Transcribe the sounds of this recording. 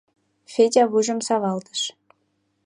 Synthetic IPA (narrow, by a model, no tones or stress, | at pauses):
fʲedʲɑβuʒə̆msɑβɑlt̪ə̥ʃ